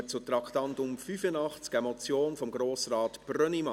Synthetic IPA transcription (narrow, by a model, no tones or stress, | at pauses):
ət͡sʊtɾɑkʰt̪ɑntʊmfyfənɑχt͡skɛmɔt͡sjoːnfɔmɡɾoːsrɑːt̪b̥rœnimɑ